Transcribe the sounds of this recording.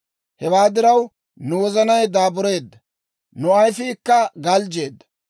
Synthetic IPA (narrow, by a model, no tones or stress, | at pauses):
hɛwaːd̪ɪɾɐw | nʊwɔzɐnɐjd̪aːbʊɾe̞ːd̪ːɐ | nʊɐjfɪkːɐɡɐld͡ʒe̞ːd̪ːɐ̥